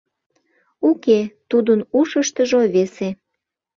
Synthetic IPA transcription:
uket̪ud̪ənuʃəʃt̪əʒoβese

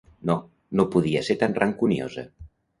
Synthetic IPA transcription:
no | nopuðiəseɾt̪anrʔaŋkunio̰zə̰

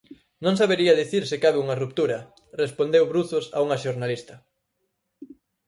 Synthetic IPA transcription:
nõŋsaβeɾiɐðiθiɾsɪkaβeuŋɐrup̚t̪uɾɐ | respond̪ewβɾuθʊsa̰uŋɐʃoɾnalist̪ɐ

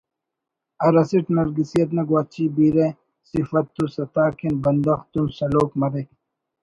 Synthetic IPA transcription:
ɐɾɐsiʈnɐɾɡisijɐt̪̬nɐɡwaːt͡ɕʰibiːɾe | sifɐt̪ːusɐt̪aːkʰinbɐnd̪ɐxt̪umsɐloːkmɐɾek

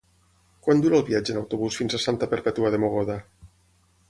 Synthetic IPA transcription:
kwand̪uɾaːlˠβiad͡ʒənawt̪uβusfinzasant̪apəɾpet̪uaðemoɣ̞oða

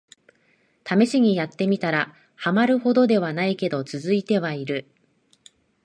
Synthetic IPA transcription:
t̪ʰame̞ɕiɲ̟ijat̪ːe̞mʲit̪aɾa | hamaɾɯ̟ho̞d̪o̞d̪e̞β̞anaike̞d̪o̞t͡sɨzɨit̪e̞β̞aiɾɯ̟

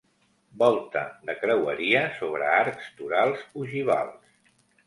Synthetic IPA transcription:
bɔlˠt̪əd̪əkɾəwəɾiəsoβɾəaɾkst̪uɾalˠzuʒiβa̰lˠs

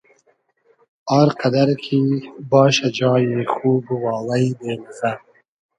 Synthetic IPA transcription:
ɑːɾqad̪aɾkʰibɑːʃad͡ʒɑːjexuːbuwɑːlajd̪eːlza

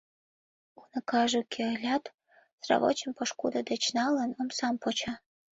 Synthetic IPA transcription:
unə̆kɑʒukʰʲeəlʲɑt̪ | srɑ̰βo̰t͡ɕəmpoʃkud̪əd̪et͡ɕnɑlənomsɑmpot͡ɕɑ

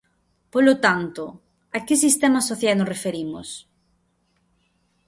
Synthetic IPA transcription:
polot̪ant̪ʊ | akɪsist̪ɛmɐsoθjalnosrefeɾimʊ̰s

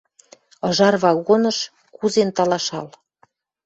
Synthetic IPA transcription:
ɤ̆ʒɑrβɑɣonɤ̆ʃ | kuzent̪ɑlɑʃɑ̰l

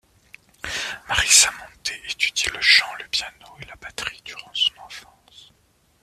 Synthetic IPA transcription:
maʁisamɔ̃t̪ʰeet̪yd̪iləʃɑ̃ləpjanoelapat̪χi̥d̪yʁɑ̃sɔ̥̃nɑ̃fɑ̃s

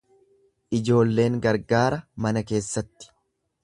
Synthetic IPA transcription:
ʔɪd͡ʒo̞ːlːe̞ːŋɡɐɾɡaːɾɐmɐnɐke̞ːsːɐt̪ːɪ̥

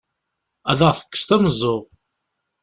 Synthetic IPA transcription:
æðəʁθə̥kːə̥st̪æməzˤːoʁ

